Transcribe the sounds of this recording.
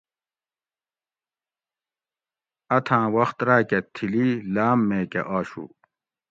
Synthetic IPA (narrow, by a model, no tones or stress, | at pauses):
ɐt̪ʰãːwɐxt̪ɾaːket̪ʰililaːmːeːkḛʔaːɕṵ